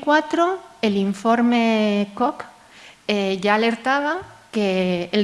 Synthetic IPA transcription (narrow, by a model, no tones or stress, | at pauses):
kwat̪ɾoeliɱfoɾmekok | eʝaːleɾt̪aβakeː